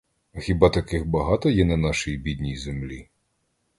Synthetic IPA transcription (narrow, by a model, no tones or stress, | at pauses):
xʲibɑt̪ɐkɪxbɐɦɑt̪ɔjɛnɐnɑʃijibʲid̪ʲnʲijzemlʲi